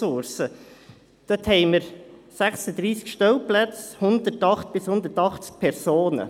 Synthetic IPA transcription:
ʊɾsə | d̪̥œt̪hɛɪməɾsæχsəd̪ɾiːskʃtœwplæt͡shʊnd̪ətɑχt̪̚b̥ɪshʊnd̪əɾtɑχt͡sk̚pʰɛɾsoːnə̰

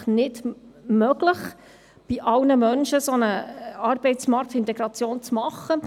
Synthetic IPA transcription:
nɪdmœɡləχ | b̥iʔɑlnəmœnʃəsɔnəɑːɾbɛɪtt͡smɑɾktɪnt̪ɛɡɾɑt͡sjoːnt͡smɑχːə

